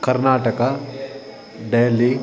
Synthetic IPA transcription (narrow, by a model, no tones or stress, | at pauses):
kɐɾnaːʈəka | ɖeːli